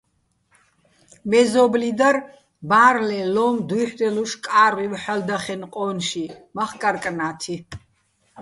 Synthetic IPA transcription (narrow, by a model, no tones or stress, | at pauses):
mɛzɔblid̪ar | baːɾlɛlɔmd̪uiħd̪ɛluʃkʼaːɾwivħald̪aχɛnqʼɔnʃimaχkʼaɾkʼnaːt̪ʰi